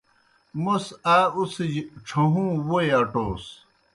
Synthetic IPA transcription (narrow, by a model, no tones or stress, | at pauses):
mosaːusʈ͡ʂʰɐɦũːwoeɐʈoːs